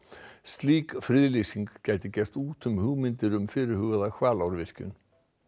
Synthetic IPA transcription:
st̪liːkfɾɪðlisiŋkcaːjt̪ɪcɛr̥t̪uːt̪ʏmhʏɣmɪnt̪ɪɾʏmfɪɾɪɾ̥hʏɣʏðakʰvaːlawɾvɪr̥cʏ̰n

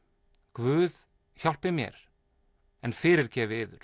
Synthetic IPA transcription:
kvʏːð | çal̥pɪmjɛ̰ɾ | ɛnfɪːɾɪɾcɛːvɪɪːðʏ̰ɾ̥

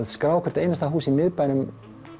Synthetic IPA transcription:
t̪skɾaːwkʰvɛɾ̥t̪aejnast̪aɦuːsimɪðpaːjnʏm

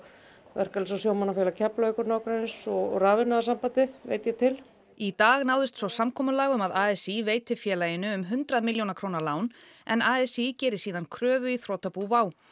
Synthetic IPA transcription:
vɛr̥kalɪsawsjoːwmanafjɛlacʰaplaœkʏɾnaːwkɾansɔ̰raːvɪnaðasampat̪ɪðvḛːjt̪jɛt̪ʰɪl | it̪aːɣnawðʏst̪sɔsamkʰɔːmʏlaːɣʏmaðaːɛsiveːjt̪ɪfjɛːlaːjɪnːʏːmɦʏnt̪ɾaðmɪljownakʰɾoːwnaɾlaːwnɛ̰naːɛsicɛːɾɪ̥siːðankʰɾœːvʏiθɾoːt̪apuːvaːw

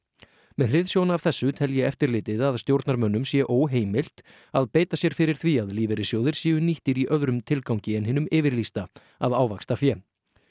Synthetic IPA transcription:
mɛðrɪðsjownaavθɛsːʏt̪ʰɛljɛɛft̪ɪɾlɪːt̪ɪðaðst̪jowɾt̪naɾmœnːʏmsjɛʔoːwɦeːjmɪl̥t̪ | aðpeːjt̪asjɛɾ̥fɪɾɪɾ̥θviaðliːvɛɾɪsjoːwðɪɾ̥sjiːʏniht̪ɪɾiʔœðɾʏmt̪ʰɪlkawɲcɪɛnɦɪnʏmɪːvɪɾlist̪a | aðaːwvakst̪afjɛ

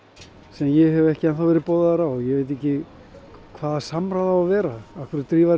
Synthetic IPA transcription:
sɛmjɛɦɛvɛhcɪanθawvɛːɾɪpoːwðaðaɾawɔjɛveːjt̪̬ɛhcɪ | kʰvaːðḁsamɾaðaavɛːɾaahkʰvɪɾɪt̪ɾiːva

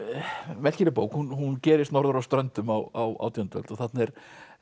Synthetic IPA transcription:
mɛl̥cɪɾɪpoːwkhunhuncɛːɾɪst̪nɔɾðʏɾawst̪ɾœnt̪ʏmawawa̰wt̪jont̪vɛ̰lt̪ɔθat̪nɛɾ̥

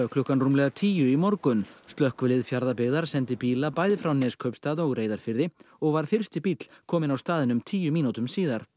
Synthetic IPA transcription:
œhklʏhkanruːmlɛɣat̪ʰiːjʏimɔɾkʏnst̪lœhkvʏlɪðfjaɾðapɪɣðaɾ̥sɛnt̪ɪpiːlapaːjðɪfɾawnɛːskʰœɥpst̪aːðɔɣɾeːjðaɾ̥fɪɾðɪɔɣvaɾ̥fɪr̥st̪ɪpit̪l̥kʰɔːmɪnawst̪aːðɪnʏmt̪ʰiːjʏmiːnut̪ʏmsiːðaɾ̥

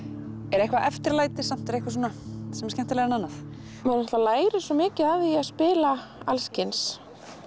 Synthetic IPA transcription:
ɛɾɛhkvaʔɛft̪ɪɾlaːjt̪ɪsam̥t̪ɛɾɛhkvasuːnasɛmskcɛm̥t̪alɛːɣɾɛnanːaθ | mɛɾnaht̪lalaːjɾɪsvɔmɪːcɪaðiaðspɪːla | alscɪns

